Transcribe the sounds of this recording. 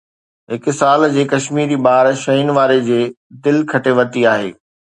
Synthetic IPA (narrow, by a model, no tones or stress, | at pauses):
ɦɪk̆saːld͡ʑeːkɐʃmiːɾibaːɾʃɐinʋaːɾed͡ʑeː | d̪ɪlkʰɐʈʰeʋɐt̪iaːɦḛː